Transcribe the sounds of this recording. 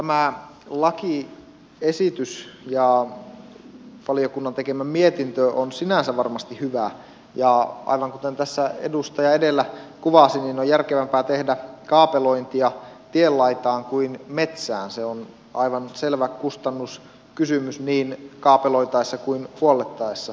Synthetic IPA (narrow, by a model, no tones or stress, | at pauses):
t̪æmæ | lɑki | esit̪ysjɑ | ʋɑliokunːɑnt̪ekemæmmiet̪int̪øʔonsinænsæʋʋɑrmɑst̪ihyʋæ | jɑʔɑ̰iʋɑŋkut̪ent̪æsːæḛdust̪ɑjɑedelːækuʋɑsiniːnojærkeʋæmpæːt̪ehdækɑːpeloint̪iɑt̪ielːɑit̪ɑːŋkuinmet̪sæ̰ːnseon | ʔɑiʋɑnselʋækust̪ɑnːus | kysymysniːnkɑːpeloit̪ɑisːɑkuinhuolːˑet̪ːɑesːɑ